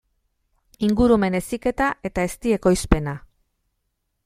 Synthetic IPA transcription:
iŋɡuɾume̞ne̞sike̞t̪aʔe̞t̪ae̞st̪ie̞ko̞jspe̞na

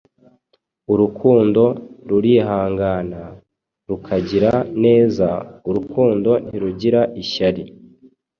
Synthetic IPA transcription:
uɾukʰuːndo̞ɾuɾiɦaːŋɡana | ɾukʰaɟiɾane̞ːzauɾukʰuːndo̞n̥hiɾuɟiɾaʔiʃaɾi

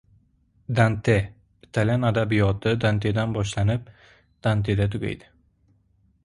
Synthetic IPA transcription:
d̪ant̪ʰe | ɪt̪ʰalʲanad̪abijɒt̪ʰɪd̪ant̪ʰe̞d̪anbɒʃlanɪp̚ | d̪̥ant̪ʰe̞d̪at̪ʰʊɡʲa̰jd̪ɪ̥

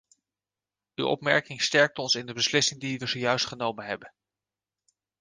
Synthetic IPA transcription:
ywɔ̰pmɛɹkɪŋstɛɹk̚tɔnsɪndəbəslɪsɪŋdiʋəzowjœɥstχənowmənɦɛbən

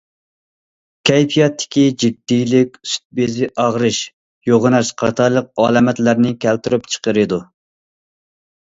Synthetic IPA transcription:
kʲʰɛjpʰijɑt̪ʰːɪ̥kʲid͡ʒid̪̥ːijlɪkʲsy̥t̪̚bezɪʔɑʁɾɨʃ | joʁɨnɑʃqʰɑ̰t̪ʰɑɾlˠəq̚ɑlˠɛmɛt̪læɾnɪkʲʰælt̪yɾypt͡ʃʰə̥qəɾɨd̪u

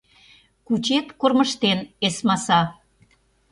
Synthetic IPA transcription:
kut͡ɕet̪korməʃt̪enesmɑsɑ

